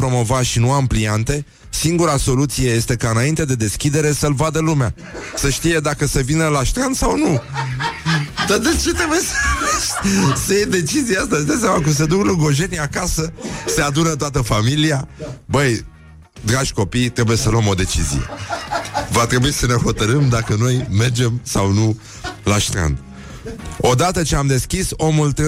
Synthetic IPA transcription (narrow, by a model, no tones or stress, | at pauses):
pɾo̞mo̞vaʃinuampliant̪e̞ | siŋɡuɾaso̞lut̪sije̞je̞st̪e̞kaɨnaint̪e̞d̪e̞d̪e̞skʲid̪e̞ɾe̞səlvad̪əlumea | səʃt̪ije̞d̪akəsəvinəlaʃt̪ɾant̪sawnu | d̪ad̪et͡ʃe̞t̪ɾe̞bujes | səjejd̪e̞t͡ʃizijeast̪aʃid̪as̬ʲamak̬ums̬e̞d̪ukluɡoʒe̞niakasəse̞ad̪unət̪oat̪əfamiliabəj | d̪ɾaʒʲko̞pijt̪ɾe̞buje̞səloəmo̞d̪e̞t͡ʃizḭje̞̰ | vat̪ɾe̞buisəne̞ho̞t̪əɾəmd̪akəno̞jme̞rd͡ʒe̞msawnu | la̰ʃt̪ɾa̰nd̪ | o̞d̪at̪ət͡ʃeamd̪e̞skʲiso̞mult̪